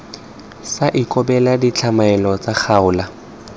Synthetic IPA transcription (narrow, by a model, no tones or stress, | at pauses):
saʔikʼɔbɛladit͡ɬʰamaɛlɔt͡sak͡xʰaʊːla